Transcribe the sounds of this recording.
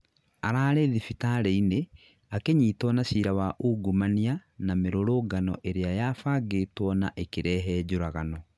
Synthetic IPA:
aɾaːɾɛðifitaɾeine | akeɲiːtwɔnaɕiɾawaʔuːɡumanianameɾoɾoːɡanɔ̰ʔeɾeajafaːɡeːtwɔnaʔekeɾɛɦɛd͡ʑoɾaɣanɔ

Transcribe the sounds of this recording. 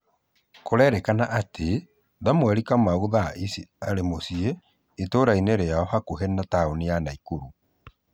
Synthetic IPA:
koɾɛɾɛkanaʔatʰe | ðamwɛɾikamauðaʔisiaɾemosieː | toːɾaineɾeaɔhakoɦɛnataoneanaikuɾu

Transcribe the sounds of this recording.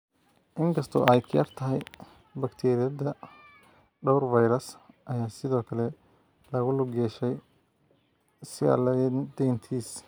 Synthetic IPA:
ʔɪŋkʰɐst̪ʰɔ̰ʔɐjt̪kʰɪjɐ̰rt̪ʰɐɦɛj | bɐkt̪ʰɛːɾɪjɐðɐ | ɖɔwrvɐjɾɐsʔɐjaːsɪðɔːkʰɐlɛ | lɐɣʊlʊɡɛːʃɛj | sɪa̰ld̪ɛjnt̪ʰiːs

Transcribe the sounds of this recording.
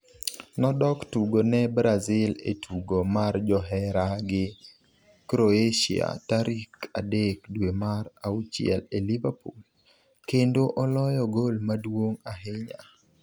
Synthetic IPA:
nɔdɔktuɡonɛbɾazɪlḛtʰuɡomard͡ʒɔɦɛɾaɡɪ | kɾoeʃḭa̰taɾika̰dek̚dwemaɾaut͡ʃɪɛ̰lelivapul | kendoʔɔlɔjɔɡolmadwoŋaɦɪɲa

